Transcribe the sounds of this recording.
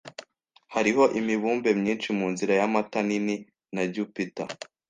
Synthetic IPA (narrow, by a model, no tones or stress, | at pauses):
haɾiɦo̞ʔimiβuːmbe̞mɲiːnʃimuːnziɾajamatanini | naɟupita̰